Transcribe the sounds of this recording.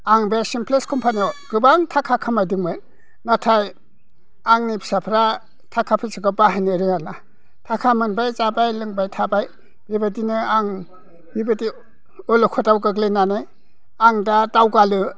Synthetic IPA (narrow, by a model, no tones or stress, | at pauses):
aŋbeɾsimpʰleskʰɔmpʰaniɔɡ̥ɯbaŋtʰakʰakʰamajdɯŋmɯɾ | natʰaj | aŋnipi̥sapʰɾa | tʰakʰapʰɯsʰɯɡabaɦajneɾɯŋana | tʰakʰamɯnbajzabajlɯŋbajtʰabaj | bibadinɯaŋ | bibadi | ɔlokʰɔtawɡaɡlenanɯ | aŋdatawɡalɯ